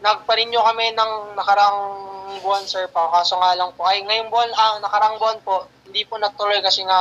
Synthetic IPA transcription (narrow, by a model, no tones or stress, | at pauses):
nɐɡ̚pɐɾɪnɲokɐmɛnɐŋnɐkɐɾaŋbʊansɛɹpakaːsoŋaːlɐŋpoʔɐjŋɐjonbʊʔananɐkɐɾaʔŋbʊʔanpo̞ʔhhɪnd̪iponɐɡ̚t̪ʊlo̞jkɐsɛŋa